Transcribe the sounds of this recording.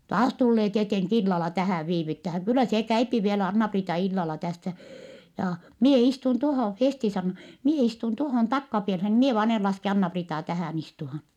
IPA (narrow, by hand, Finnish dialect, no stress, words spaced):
tɑːs tulːeː tieteŋk ilːɑlɑ tæhæˑʋ ʋiːʋytːæhæŋ kylːæ seː kæypi ʋielæ ɑnːɑpriːtɑ ilːɑlɑ tæsːæ jɑː mie istun tohoˑ festi sɑnːo mie istun tohoˑn tɑkːɑpielhen mie ʋɑːn en lɑske ɑnːɑpriːtɑː tæhæˑn istuhɑn